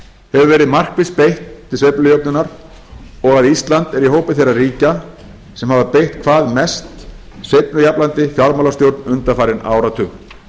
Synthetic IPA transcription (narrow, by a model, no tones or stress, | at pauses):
hɛvʏvɛːɾɪðmar̥kvɪspejht̪ʰːɪlsepnʏjœp̚nʏnaɾ | ɔɣaðist̪lant̪ɛɾihɦoːwpɪθejɾːariːca | sɛmhavapejht̪kʰvaːðmɛst̪ | sep̚nʏjaplant̪ɪfjaɾmaːlast̪jowɾt̪nʏnt̪afaːɾɪna̰ːwɾat̪ʰʏ